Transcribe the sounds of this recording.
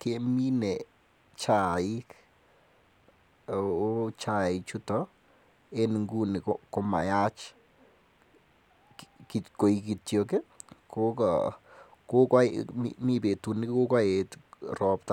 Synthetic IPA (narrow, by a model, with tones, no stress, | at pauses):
kemi˦ne | t͡ʃa˨ik | t͡ʃa˨it͡ʃu˦tɔ | e˦nŋɡu˦ni˨koko˦ma̰˨jat͡ʃ | kiko˨i˨ki˨tjoke˦koka | ko˦ka˦mḭmi˦pe˨tu˨ni˦kko˦ka˦e˨trɔ˦pta